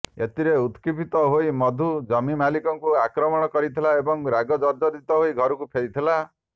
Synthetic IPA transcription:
et̪iɾeut̪kipit̪ɔɦoimɔd̪ʱud͡ʒɔmimalikɔŋkuakɾɔmɔɽ̃ɔkɔɾit̪ʰilaebɔŋɾaɡɔd͡ʒɔɾd͡ʒɔd̪it̪ɔɦoiɡʱɔɾukupʰeɾit̪ʰila

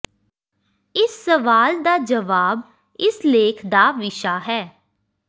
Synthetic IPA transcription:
ɪsːəʋaːld̪aːd͡ʒəʋaːb | ɪsleːkʰd̪aːʋɪʃaːɦɛː

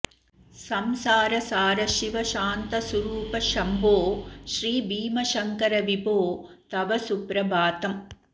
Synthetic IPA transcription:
sɐmsaːɾɐsaːɾɐʃiʋɐʃaːnt̪ɐsɐɾuːpɐʃɐmboːʃɾiːbiːmɐʃɐŋkɐɾɐʋibʱoː | t̪ɐʋɐsupɾɐbaːt̪ɐm

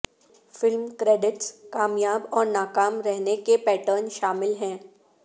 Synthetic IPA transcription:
fɪlmkɾɛːɖɪʈskaːmjaːbɔːɾnaːkaːmɾɛɦnekepɛːʈəɾnʃaːmɪlɦɛ̃ː

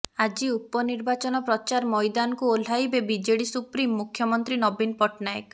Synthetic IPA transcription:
ad͡ʒiupɔniɾbat͡ʃɔnɔpɾɔt͡ʃaɾmɔjd̪anɔkuol̤ajbebid͡ʒeɽisupɾimːukʰjɔmɔnt̪ɾinɔbinpɔʈnajk

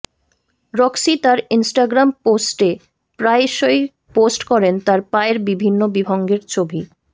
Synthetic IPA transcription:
ɾɔksit̪aɾinsʈaɡɾamposʈe | pɾaeʃoj | posʈkɔɾent̪aɾpaeɾbibʱinːobibʱɔŋɡeɾt͡ɕʰobi

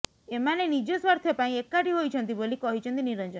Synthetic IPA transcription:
emanenid͡ʒɔsʋɔɾt̪ʰjɔpaĩekːaʈiɦojt͡ʃʰɔnt̪̬ibolikɔɦit͡ʃʰɔnt̪iniɾənd͡ʒɔn

